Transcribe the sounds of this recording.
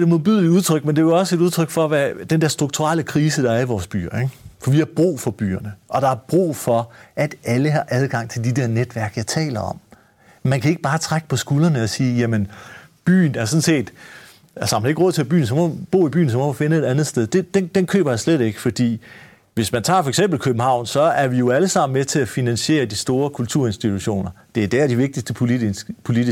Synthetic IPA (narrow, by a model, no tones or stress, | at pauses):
d̥emoð̩ˠb̥yðˠliuð̞ˠt͡sʰʁœɡ̥mend̥e̝ʋeɒ̽səe̝ɾuð̞ˠt͡sʰʁœɡ̥fɒ̽ʋæd̥end̥eɐsd̥ʁuɡ̥̚t͡sʰuʁaləkʰʁiːsəd̥ɑ̈æɐiʋɒːsb̥y̰ːɐeɡfɒ̽ʋihɑ̈b̥ʁṵːfɒ̽b̥y̰ːɐnəʔɒ̽ɾ̥ɑ̈æɐb̥ʁṵːfɒ̽ʔæd̥æləhɑ̈ʔæð̞ˠɡ̥ɑ̈ŋ̰t͡sʰe̝ld̥id̥eɐned̥ʋæɐɡ̥jɑ̈ɪt͡sʰɛ̰ːlɐɒ̽m̰ | mænkʰæe̝ɡ̥əb̥ɑ̈ːt͡sʰʁaɡ̥ə̥pʰɒ̽sɡ̥ulɐnəɒ̽siːjæmən | b̥y̰ːn̩æɐsɔ̽n̩se̝̰ːd̥ | ælsəɑmæne̝ɡ̥ʁɔ̽ð̰ˠʰe̝æb̥y̰ːn̩sɒ̽mɒb̥o̝̰ːib̥y̰ːn̩sɒ̽mɒ̽mæfe̝nəe̝d̥ænð̞̩ˠsd̥eð̞ˠd̥e̝d̥end̥enkʰø̰ːb̥ɐjɑ̈sled̥e̝ɡ̥ə̥fɒ̽d̥ḭː | ʋe̝smænt͡sʰɑ̈ːfɒ̽eɡ̥sem̰b̥l̩kʰøb̥m̩hɑ̈ʊ̰nsɒ̽æɐʋijo̝æləsɑ̈m̰n̩met͡sʰe̝æfinænɕe̝̰ːɐd̥isd̥o̝ːɐkʰult͡sʰuɐ̰e̝nsd̥it͡sʰuɕo̝̰ːnɐd̥e̝æd̥ææd̥iʋe̝ɡ̥̚d̥isd̥əpʰo̝lii